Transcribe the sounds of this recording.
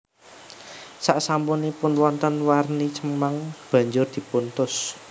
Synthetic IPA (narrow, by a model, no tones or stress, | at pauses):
saʔsampunipʊnwɔnt̪ənwarnit͡ʃəmaŋb̥ä̤ɲd͡ʒʊrd̪̥i̤punt̪ʊs